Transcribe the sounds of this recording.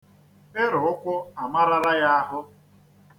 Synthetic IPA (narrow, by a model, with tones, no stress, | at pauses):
ɪ˦ɾʊ˨ʊ˦kʷʊ˦a˨ma˦ɾa˦ɾa˦ja˦a˦ɦʊ˦